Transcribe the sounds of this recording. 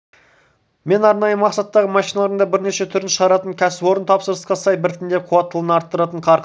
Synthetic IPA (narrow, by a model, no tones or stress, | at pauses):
me̞nɑɾnɑjəmɑqsɑt̪ːɑʁəmɑʃijnɑlˠɑɾəɴd̪ɑbɪɾne̞ʃe̞t̪ʰʏɾɪnʃəʁɑɾɑt̪əŋkʲʰæsɪbo̞ɾənt̪ʰɑpsəɾəsqɑsɑjbɪɾɪt̪ʰɪnd̪eqʰuwɑt̪ːəlˠənɑɾt̪ːəɾɑt̪əɴqʰɑɾ